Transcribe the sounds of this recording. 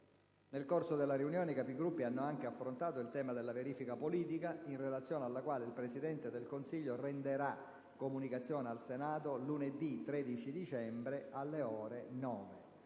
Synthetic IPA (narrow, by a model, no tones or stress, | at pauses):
nelkorsod̪elːariunjɔːnekapiɡɾupːianːoaŋk̟eafːɾont̪aːt̪oilt̪ɛːmad̪elːaveɾiːfikapoliːt̪ikainrelat̪sːjɔːnealːakwaːleilpɾesid̪ɛnt̪ed̪elkonsiʎːorend̪eɾa | kːomunikat̪sːjɔːnealsenaːt̪oluned̪it̪ːɾeːd̪it͡ʃid̪it͡ʃɛmbɾealːeɔːɾenɔːve